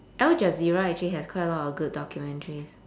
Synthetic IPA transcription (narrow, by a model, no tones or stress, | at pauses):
ʔɛld͡ʒaziɹaɛk̚t͡ʃuliɦɛskʰwaɪtəlɔtɔfɡud̚dɔkʰjumɛ̃ntʰəɹis